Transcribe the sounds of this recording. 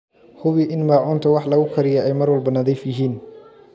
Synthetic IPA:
hʊβɪʔɪnmaːʕʊːnt̪ʰɐwɑħlɐɣʊkʰɐɾɪjɛʔɛjmɐrwɐlbɐnɐðiːfjɪɦiːn

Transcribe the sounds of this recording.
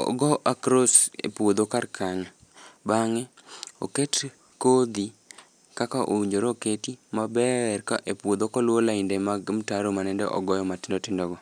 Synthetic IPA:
ɔ̰ɡɔʔakɾosḛpwod̪okarkʰaɲa | baŋɛo̰ket | kod̪i | kakaʔo̰iɲd͡ʒoɾoketimabɛrkaʔepwod̪okɔlwolaɪndemaɡmtaɾomanɛndɛʔɔ̰ɡɔjɔmatɪndotɪndɔɡɔ

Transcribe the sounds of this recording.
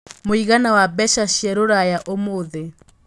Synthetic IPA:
moiɣanawabɛʃaʃiɛɾoɾajaʔomoðe

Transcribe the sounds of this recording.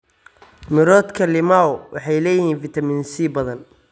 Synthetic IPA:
mɪɾɔːt̪kʰɐlɪmaɔwʔɑħɑjlɛːjɪhiːnfɪt̪ʰɐmiːnsiːbɐðɐn

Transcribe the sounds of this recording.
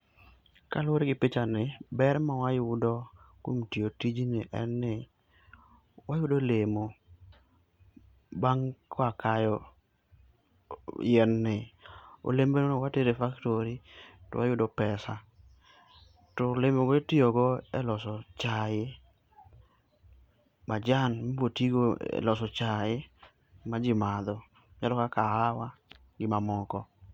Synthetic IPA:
kalwoɾɡɪpet͡ʃanɪbɛɾmawajʊdɔkwomtiotid͡ʒinɪ̰ʔɛnːɪ | wajʊdolemo | baŋkʰɔakajɔ | jɛnːɪo̰lembenonowateɾefaktoɾito̰wajʊdɔpɛsa | tolemoɡɔetioɡɔɛ̰lɔsɔt͡ʃajɪ | mad͡ʒanmbotiɡoɛ̰lɔsɔt͡ʃajɪ | mad͡ʒɪmad̪ɔ | d͡ʒalɔkakahawa | ɡɪmamɔkɔ

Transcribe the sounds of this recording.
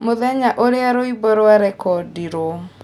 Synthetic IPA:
moðɛɲaʔoɾeaɾoibɔɾoaɾɛkɔdiɾo

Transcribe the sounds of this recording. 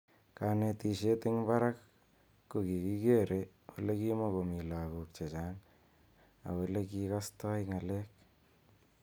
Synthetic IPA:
kanetiʃetɪŋbaɾakː | ukikikeɾewulekimokomilakuk̚t͡ʃet͡ʃaːn | a̰welekikastɔjŋalek̚

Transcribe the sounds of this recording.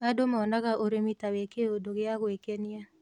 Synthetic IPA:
adomɔnaɣaʔoɾemitawekeodoɣɪaɣwekenɪa

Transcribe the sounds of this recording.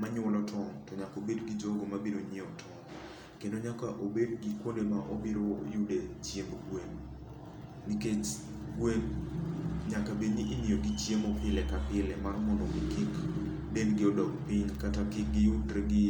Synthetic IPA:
maɲʊlɔtʰɔŋtɔɲakobedɡɪd͡ʒɔɡomabeɾoɲeɔtʰɔŋ | kendoɲakaʔobedɡɪkwondemaʔobiɾojudet͡ʃjemoɡwen | niket͡ʃɡwen | ɲakabeniʔːnioɡit͡ʃjemɔpɪlɛkapɪlɛmarmɔndɔɡikik | benɡɪɔdɔkpiɲkatakɪk̚ɡɪjudɾeɡɪ

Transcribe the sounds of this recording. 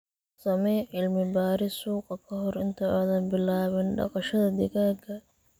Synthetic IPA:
sɐmɛʕɪlmɪbaːɾɪsuːqɐkʰɐɦɔɾɪnt̪ʰɐɔðɐnbɪlaːβɪnɖɑ̰qɑʃɐðɐd̪ɪɣaːɡʰɐ

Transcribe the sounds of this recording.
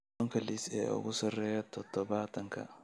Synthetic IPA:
ɔŋkʰɐlisɛ̰ːʊ̰ɣʊsɐrɛːjɐt̪ʰɔd̪̥ɔβaːt̪ʰɐŋkʰɐ̰

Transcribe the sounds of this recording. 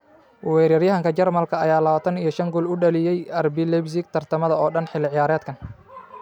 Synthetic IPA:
wɛːɾɐrjɐɦɐŋkʰɐt͡ʃɐrmɐlkʰɐɐ̰jaːlɐβɐt̪ʰɐnijɞʃɐŋɡʊlʊɖɐlɪjɛjɐrbɪlɛbs̬ɪk̚t̪ʰɐrt̪ʰɐmɐðɐɔːɖɐnħɪlɪʕɪjaːɾɛːd̪kʰɐn

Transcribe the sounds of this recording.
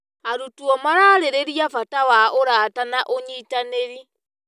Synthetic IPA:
aɾutuɔmaɾaːɾeɾeɾiafatawaʔoɾaːtanaʔoɲitaneɾi

